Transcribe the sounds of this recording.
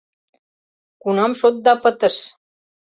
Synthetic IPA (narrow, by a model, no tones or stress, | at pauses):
kunɑmʃot̪̚d̪ɑpət̪ə̆ʃ